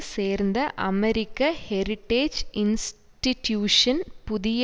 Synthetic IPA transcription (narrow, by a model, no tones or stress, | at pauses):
seːrnd̪ɐʔɐmeɾikʲːɐheɾiʈːeːd͡ʑins | ʈitjuːʂɐnpuðijɐ